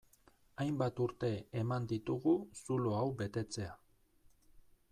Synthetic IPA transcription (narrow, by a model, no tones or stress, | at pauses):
ajmbat̪uɾt̪e̞ːmand̪it̪uɣusuloawbe̞t̪e̞t͡se̞a